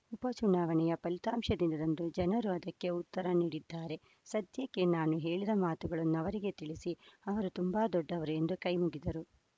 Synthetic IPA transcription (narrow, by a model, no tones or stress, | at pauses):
upɐt͡ʃunaːʋɐɳɛjɐpɐlit̪aːmʃɐd̪ind̪ɐd̪ɐnd̪ud͡ʒɐnɐɾuɐd̪ɐkːe̞ut̪ːɐɾɐniːɽid̪ːaːɾe̞ | sɐd̪jɐkːenaːnuɦe̞ːɭid̪ɐmaːt̪uɡɐɭɐnːuɐʋɐɾiɡe̞t̪iɭisiɐʋɐɾut̪umbaːd̪ɔɖːɐʋɐɾue̞nd̪ukɐjmuɡid̪ɐɾu